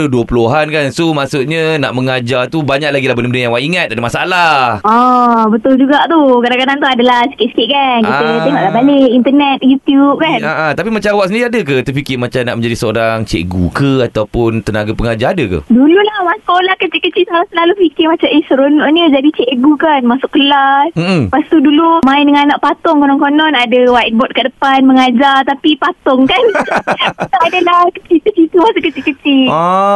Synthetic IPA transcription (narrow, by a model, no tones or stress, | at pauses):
luduəpuluɦankansomaʔsuʔɲəna̰ʔməŋad͡ʒat̪ubaɲak̚laɡilahbənəmbənəjãŋwaʔiŋat̪̚adəmasa̰laɔbət̪ʊld͡ʒuɡaʔt̪ukadãŋkadaŋt̪uadalahsə̥kiʔ̪skiʔ̪̚kankiət̪eŋɔʔlaɦbaleʔint̪ənɛt̪̚jut̪jup̚kanaʔat̪apimat͡ʃaawaksəndiɾiadək̬ət̪əfikɪmat͡ʃamnaʔmə̃ɲd͡ʒadisəoɾaŋt͡ʃḛʔɡukəat̪awpʊnt̪ənaɡapəŋad͡ʒaadəkə̰dululahmasʊlahkət͡ʃikət͡ʃisəaɾasəlalufikɪmat͡ʃamʔəsəɾonɔʔɲəd͡ʒadit͡ʃɛʔɡukanmasʊʔkəlasm̩m̩past̪udulumãɪndəŋãnaʔpat̪ɔŋkonɔŋkonɔnadəwait̪̚bɔt̪̚kədəpanməŋad͡ʒart̪apipat̪ɔŋkan | t̪aadəlahkət͡ʃit̪ət͡ʃit̪umasʊʔkət͡ʃikət͡ʃi